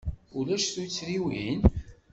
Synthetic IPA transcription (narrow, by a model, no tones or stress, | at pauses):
ulæʃθujt͡sːɾiwin